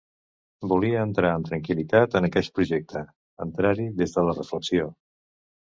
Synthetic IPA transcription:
buliəːnt̪ɾaəmt̪ɾəŋkilit̪at̪ənəkɛʎ̚pɾuʒɛk̚t̪ʰə | ənt̪ɾaɾiðezðələrəfləksio

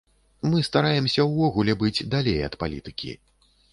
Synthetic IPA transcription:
mɨst̪aɾajɛmsʲɐwvɔɣulʲɛbɨd͡zʲd̪alʲejɐ̰t̪pa̰lʲḭt̪ɨkʲḭ

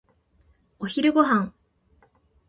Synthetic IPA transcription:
oçiɾɯ̟ɡo̞ɦãŋ

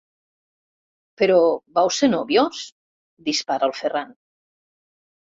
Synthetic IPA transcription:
peɾobawsenoβjos | d̪ispaɾaəlˠferan

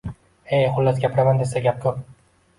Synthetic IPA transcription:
ejχʊlːasɡʲapɪɾamand̪esaɡʲap̚kʲʰɵp̚

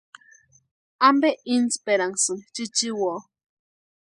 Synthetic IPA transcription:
ambeʔinspeɾaŋsɨŋt͡ʃit͡ʃiwo

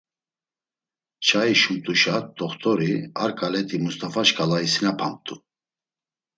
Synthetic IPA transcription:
t͡ʃʰaiʃumt̪ʼuʃat̚d̪ɔχt̪ʰʼɔɾiaɾkʼalɛt̪ʰimust̪ʼafaʃkʼalaisinapʰamt̪ʼu

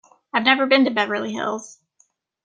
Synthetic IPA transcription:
aɪvnɛvə˞bɨ̃ntɨbɛvə˞lˠiɦɪ̰lˠz̥

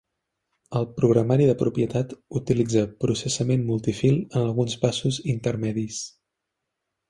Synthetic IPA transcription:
əlˠpɾuɣɾəmaɾiðəpɾupjət̪at̪ut̪ilid͡zəpɾusəsəmenmulˠt̪ifilˠənəlˠɣunspasuzint̪əɾmɛðis

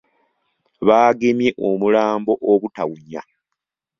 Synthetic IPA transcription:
βaːɡe̞mje̞ʔomulaːmbo̞ʔoβutawuɲːa̰

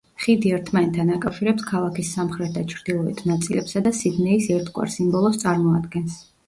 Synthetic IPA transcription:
χid̪iɛɾt̪ʰmant̪ʰanakʼawʃiɾɛpskʰalˠakisːamχɾɛt̪ʰd̪at͡ʃʰɾd̪ilˠɔḭt̪ʰnat̪sʼilɛpsad̪asid̪nɛisɛɾt̪ʰɡʼwa̰ɾsimbɔlˠɔst̪sʼaɾmɔad̪ɡɛns

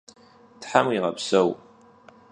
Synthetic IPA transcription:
tħamwiʁɐpsɐw

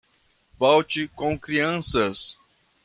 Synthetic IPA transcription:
vɔwt͡ʃɪkõw̃kɾiɐ̃sɐs

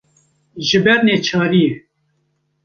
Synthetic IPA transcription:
ʒɨbɛɾneːt͡ʃʰɑːɾije

